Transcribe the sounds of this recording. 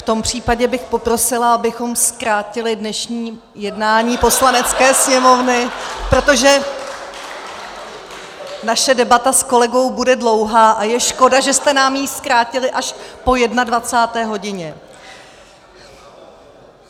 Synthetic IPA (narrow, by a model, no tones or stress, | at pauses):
ft̪o̞mpr̝̥iːpaɟɛbɪxpo̞pɾo̞sɪlaabɪxo̞mskɾaːcɪlɪdnɛʃɲiː | jɛdnaːɲiːpo̞slanɛt͡skɛːsɲɛmo̞vnɪpɾo̞t̪o̞ʒɛ | naʃɛdɛbat̪asko̞lɛɡo̞wbudɛdlo̞wɦaːʔajɛʃko̞daʒɛst̪ɛnaːmjiːskɾaːcɪlɪʔaʃpo̞jɛdnadvat͡saːt̪ɛːɦo̞ɟɪɲɛ